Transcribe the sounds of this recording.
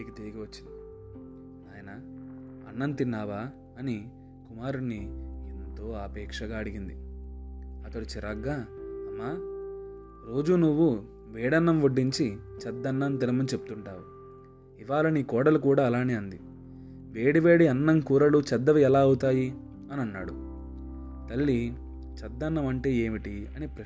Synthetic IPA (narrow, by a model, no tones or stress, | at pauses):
ikit̪iːɡiʋɐt͡ʃːin | aːjɐnɐ | ɐ̰nːɐnt̪inːaːʋaː | ɐni | kumaːɾunːient̪o̞ːɐpɛːkʂɐɡaːɐɽiɡind̪i | ɐt̪ɐɽut͡ʃiɾɐɡːaːɐmːaː | ɾo̞ːd͡ʒunuʋːu | ʋeːɽɐnːɐmʋoɖːiɲt͡ʃit͡ʃɐd̪ːɐnːɐnt̪ilɐmɐnt͡ʃe̞pu̥t̪uɳʈaːʋu | iʋaːlɐniːkɔːɽɐlukuːɽaːlaːniɐnd̪i | ʋe̞ːɽiʋe̞ːɽiɐnːɐŋkuːɾɐɽut͡ʃɐd̪ːɐʋiɛlaːɐwut̪aːji | ɐnɐnːa̰ːɽu | t̪ɐlːi | t͡ʃɐd̪ːɐnːɐmɐɳʈe̞ːeːmiʈiɐneːpɾɐ